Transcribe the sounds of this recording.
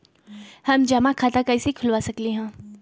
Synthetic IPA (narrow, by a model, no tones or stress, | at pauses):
hɐmd͡ʒamãkʰaːt̪akaɪsekʰʊlʋasɐkliɦɛ̃ː